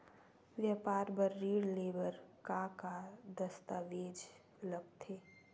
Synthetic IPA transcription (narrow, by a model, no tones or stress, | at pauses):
ʋjapaːɾbəɾːiːɽleːbəɾkakad̪əst̪aʋeːd͡ʒ | ləb̚t̪ʰeː